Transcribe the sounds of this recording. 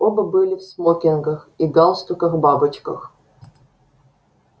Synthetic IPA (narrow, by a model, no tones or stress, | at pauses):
obəbɨlʲɪfsmokʲɪnɡəxiɡɑlˠst̪ʊkəxbabɨt͡ɕkə̰x